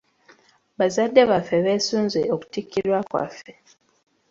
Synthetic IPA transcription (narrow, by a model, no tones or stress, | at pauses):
βazadːe̞βafːe̞βe̞ːsuːnzeoku̥tikːiɾwakwa̰fːe